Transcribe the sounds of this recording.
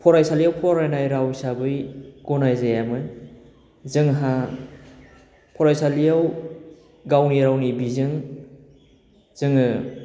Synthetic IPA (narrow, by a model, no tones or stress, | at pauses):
pʰɔɾajsalijawpʰɔɾajnajɾawsabɯjɡ̥ɔnajzajamɯ | zɯŋɦa | pʰɔɾajsalijaw | ɡawniɾawnibizɯŋ | z̥ɯŋɯ